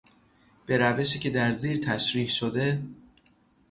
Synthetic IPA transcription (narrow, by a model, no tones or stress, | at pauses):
b̥e̞ɾæve̞ʃiːce̞d̪æɾziːɾt̪ʰæʃɾiːhʃod̪e̞